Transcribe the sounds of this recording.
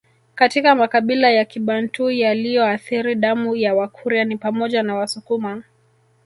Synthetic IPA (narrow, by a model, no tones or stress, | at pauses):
katikamakaɓilajakiɓantujalijɔaθiɾiɗamujawakʰuɾianipamɔʄanawasukuma